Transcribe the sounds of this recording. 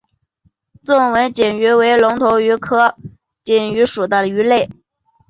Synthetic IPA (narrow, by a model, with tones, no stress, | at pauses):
t͡sʊ˥˩ŋwə˧˥nt͡ɕɛ˨˩ny˧˥we˧˥ɪlʊ˧˥ŋt̪ʰo˧˥ʊy˧˥kʰɤ˥ | t͡ɕi˨˩ny˧˥ʂu˨˩t̪ə˥˩y˧˥le˥˩ɪ